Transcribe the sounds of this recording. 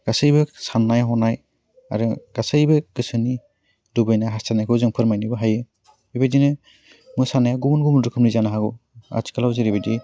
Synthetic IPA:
ɡ̥asɯjbɯsanːajɦɔnaj | a̰ɾɯɡ̥asɯjbɯɡɯsɯni | dubajnajɦastʰanajkʰɯwzɯŋpʰɯɾmajnɯbɯɦajɯ | bibadinɯ | mujsanajaɡumunɡumundɯkʰɯmnizanaɦaɡɔa̰tʰi̥kalawziɾibadi

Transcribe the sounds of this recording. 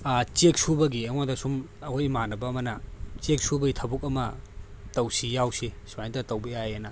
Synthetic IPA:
t͡ʃek̚subɐɡieŋadɐsumɐhojmanɐbɐmɐnɐt͡ʃek̚subɐɡitʰɐbuk̚ɐmɐtɐwsijawsisuajntɐtɐwbɐjajɐnɐ

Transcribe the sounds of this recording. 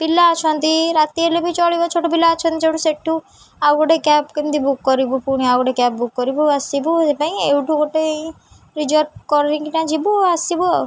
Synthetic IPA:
pilat͡ʃʰɔnt̪iɾat̪ielebʱit͡ʃɔɭibɔt͡ʃʰoʈopilaːt͡ʃʰɔ̃nt̪it͡ʃʰoʈuseʈʰːu | aɡoʈekɛpkend̪ibukːɔɾibupuɽ̃iaɡɔʈekɛp̚bukːɔɾibuasibuepaĩewʈuɡoʈe | ɾid͡ʒɔɾʈ̚kɔɾnĩkinãd͡ʒibuasibuɔ

